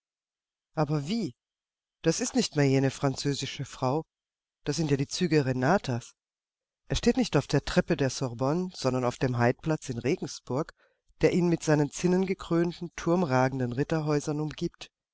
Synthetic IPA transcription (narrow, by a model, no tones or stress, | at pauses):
ʔaːbɐviː | d̥asɪstnɪçtmeːɐjeːnəfʁ̥ant͡søːzɪʃəfʁ̥aʊ | d̥aːsz̥ɪntjaːdiːt͡syːɡəʁenaːtʰas | ʔeːɐʃteːtnɪçtaʊfd̥eːɐtʁ̥ɛpədeːɐsɔʁbɔnz̥ɔndɐnaʊfd̥eːmɦaɪt̚pl̥at͡sɪnʁeːɡŋ̩sb̥ʊɐk | d̥eːɐʔiːnmɪtz̥aɪnənt͡sɪnənɡəkʁ̥øːntn̩tʰʊɐmʁaːɡŋ̩dənʁɪtɐɦɔʏzɐnʊmɡiːpt